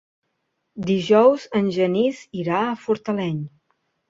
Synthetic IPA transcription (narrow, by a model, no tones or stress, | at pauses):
d̪iʒɔwzənʲʒəniziɾaəfuɾt̪əlɛɲ